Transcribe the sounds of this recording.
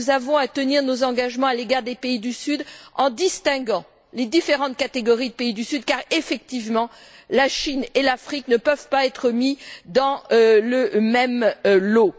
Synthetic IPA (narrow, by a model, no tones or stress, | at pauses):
zavɔ̃at̪əniʁnozɑ̃ɡaʒmɑ̃aleɡaʁd̪epeid̪ysyd̪ɑ̃d̪ist̪ɛ̃ɡɑ̃ | led̪ifeʁɑ̃t̪̚kat̪eɡɔʁid̪əpeid̪ysyd̪kaʁefɛk̚t̪ivmɑ̃ | laʃinelafχiknəpœvpaɛt̪χəmid̪ɑ̃ləmɛmlo